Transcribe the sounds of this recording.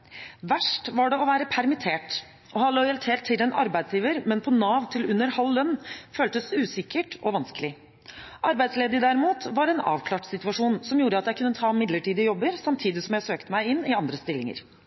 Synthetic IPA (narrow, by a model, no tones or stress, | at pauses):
ʋæʂʈʋɑɖɛɔʋæːɾəpʰæɾmɪt̪ʰeːʈ | ɔhɑlɔjɑlt̪ʰeːlt̪ʰːɪlɛnɑ̰ɾbæɪd̪sjiːʋəɾmɛnpʰɔnɑːʋt̪ʰɪlʉnːəɾhɑlːœnːføːlt̪əsʉːsɪkːəʈʔɔʋɑnskəlɪ | ʔɑɾbæɪsleːd̪əd̪æɾɪmuːt̪ʋɑɾɛnɑ̰ːʋkʰlɑːʈsɪt̪ʉɑʂuːnsɔmjuːɾəɑt̪jæɪkʰʉnːət̪ʰɑːmɪd̪ləʈiːd̪əjɔbːəɾsɑmt̪ʰiːd̪ɪsɔmjæɪsøːkt̪əmæɪɪnːɪɑnd̪ɾəst̪ɪlːɪŋə̰ɾ